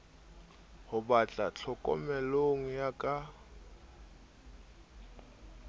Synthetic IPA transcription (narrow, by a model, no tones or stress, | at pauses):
hʊbat͡ɬʼat͡ɬʰɔkʼɔ̰mɛloŋ̩jakʼa